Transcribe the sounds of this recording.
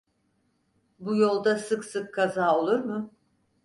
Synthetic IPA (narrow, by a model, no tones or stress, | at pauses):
bujo̞lˠd̪asɯksɯkʰːazaːo̞lˠuɾmʊ